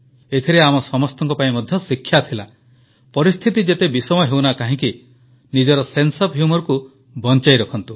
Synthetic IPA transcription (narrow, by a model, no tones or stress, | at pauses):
et̪ʰiɾeamɔsɔmɔst̪ɔŋkɔpaĩmɔd̪ʱjɔsikʰːjat̪ʰila | pɔɾist̪ʰit̪id͡ʒet̪ebisɔmɔɦewnakaɦĩki | nid͡ʒɔɾɔsensɔpɦjumɔɾɔku | bɔnt͡ʃajɾɔkʰɔnt̪u